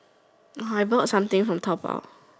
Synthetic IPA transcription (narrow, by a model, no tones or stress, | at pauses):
aɪbɔtsʌ̃mt̪ɪ̃ŋfɹɔ̃mt̪ʰɔpa̰ʊt